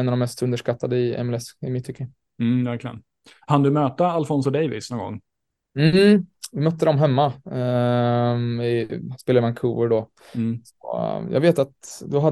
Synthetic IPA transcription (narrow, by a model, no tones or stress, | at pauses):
navd̪ɔmɛst̪ɵnd̪əʂkat̪ːad̪əɪʔɛ̰mɛlɛsɪmɪt̪ʰːʏkːə | m̩ːvæɾklɪə̰n | kʰand̪ɵmøːt̪əalfɔns̬ɔd̪ɛjvɪ̰snɔnɡɔ̰ŋː | m̩vɪmœt̪ːəd̪ɔmɦɛmːa | ɪspeːlaɾəmankʰuːəɖɔ | sɔ̰jɑ̰ːɡveːt̪at̪d̪ɔɦad̪